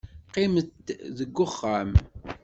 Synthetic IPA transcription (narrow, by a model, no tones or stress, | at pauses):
qɪmət̪ːðəɡːʊχːam